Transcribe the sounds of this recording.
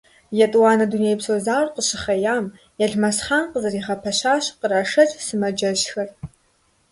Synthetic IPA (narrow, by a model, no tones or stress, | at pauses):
jɛtʼwaːnɐdunejpsoːzaːrqəɕɪχɐjaːm | jɛɮmɐsχaːnqəzɐriʁɐpʰɐɕaːɕqəɾaʂɐtʼsɨmɐd͡ʒɐʃxɐr